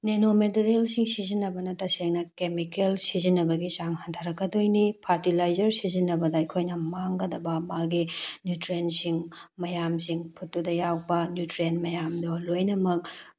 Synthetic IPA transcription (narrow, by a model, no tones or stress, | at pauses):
nenometeɾelsiŋsizinːɐbɐnɐtɐseŋnɐkemikelsizinːɐbɐɡit͡ʃaŋhɐntʰaɾɐkɡɐdojnipʰaɾtilajzɐɾsizinːɐbɐdɐɐjkʰojnɐmaŋɡɐdɐbɐmaɡinjutɾensiŋmɐjamsiŋpʰutːudɐjawbɐnjutɾenmɐjamdolojnɐmɐk̚